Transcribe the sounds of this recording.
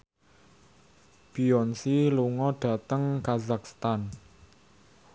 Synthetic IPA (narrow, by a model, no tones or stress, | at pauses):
b̥iɔnsiluŋɔɖ̥a̤t̪əŋkazak̚st̪an